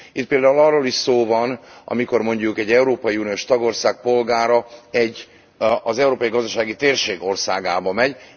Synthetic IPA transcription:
it̪peːld̪aːulɒroːliʃsoːvɒnʔɒ̰miko̞rmo̞ɲɟukɛɟːɛuɾoːpɒjiunijoːʃt̪ɒɡo̞rsaːk̚po̞lɡaːɾɒɛɟː | ɒzɛuɾoːpɒjiɡɒzd̪ɒʃaːɡit̪eːrʃeːɡo̞rsa̰ːɡaːbɒmɛɟ

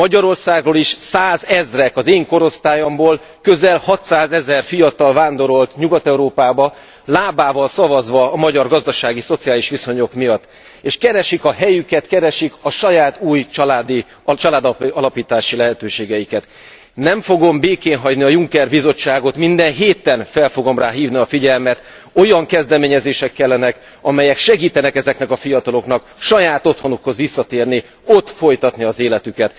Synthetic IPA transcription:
mɒɟɒɾo̞rsaːɡroːliʃsaːzɛzrɛkɒzeːŋko̞ɾo̞st̪aːjo̞mboːl | kø̞zɛlhɒt̪saːzɛzɛrfijɒt̪ɒlvaːnd̪o̞ɾo̞lt̪ɲuɡɒt̪ɛuɾoːpaːbɒ | laːbaːvɒlsɒvɒzʋɒːmɒɟɒrɡɒzd̪ɒʃaːɡiso̞t̪sijaːliʃʋiso̞ɲo̞kmijɒt̪ː | eːʃkɛɾɛʃikɒɦɛjykɛt̪kɛɾɛʃikɒʃɒjaːt̪uːjt͡ʃɒlaːd̪i | t͡ʃɒlaːd̪ɒlɒpiːt̪aːʃilɛɦɛt̪øːʃeːɡɛjikɛt̪ | nɛɱfo̞ɡo̞mbeːkeːnɦɒɟniɒjuŋkɛrbizo̞t͡ʃːaːɡo̞t̪mind̪ɛnɦeːt̪ɛnfɛlfo̞ɡo̞mraːɦiːvniɒfiɟɛlmɛt̪ | o̞jɒŋkɛzd̪ɛmeːɲɛzeːʃɛkːɛlːɛnɛk | ɒmɛjɛkʃɛɡiːt̪ɛnɛkɛzɛknɛkɒfijɒt̪ɒlo̞knɒkʃɒjaːt̪o̞t̪ho̞nukho̞zʋisːɒt̪eːrni | o̞t̪ːfo̞jt̪ɒt̪niɒzeːlɛt̪ykɛt̪

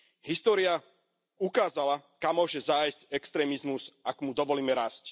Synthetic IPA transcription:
ɦist̪ɔːɾia | ukaːzalakamːʊɔʒɛzajscɛkst̪ɾɛːmizmuzakmud̪ɔʋɔliːmɛɾaːsc

